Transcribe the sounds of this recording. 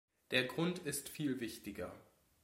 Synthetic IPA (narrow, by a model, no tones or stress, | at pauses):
d̥eːɐɡʁʊntʰɪstfiːlvɪçtɪɡɐ